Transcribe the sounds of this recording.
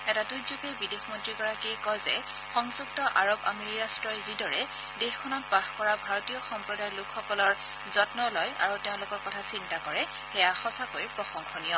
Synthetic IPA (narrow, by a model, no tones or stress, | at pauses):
ɛtadujzuɡɛbidexmɔntɹiɡɔɹakikɔjzɛ | xɔŋzuk̚tɔʔaɹoba̰meɹiɹastɹɔjzidɔɹɛ | dexkʰɔnɔt̚paxkɔɹabʱaɹɔtijɔxɔmpɹɔdajlʊkʰxɔkɔlɔɹ | zɔtnɔlɔjʔa̰ɹuteʊ̃lʊkɔɹkɔtʰasintakɔɹɛ | xɛjaxɔsakojpɹɔxɔŋxɔnijɔ